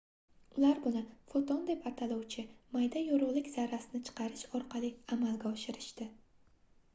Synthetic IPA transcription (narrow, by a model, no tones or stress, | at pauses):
ʊlaɾbʊnɪfot̪ʰɒnd̪epaɾt̪ʰalɒwt͡ʃʰɪmajd̪ajoɾʊʁlˠɪkʲz̥aɾːasɪnɪt͡ʃʰɨ̥qʰɑɾɪʃɒɾqʰɑlˠiamalˠɡʲaɒʃɪɾɪʃt̪ɪ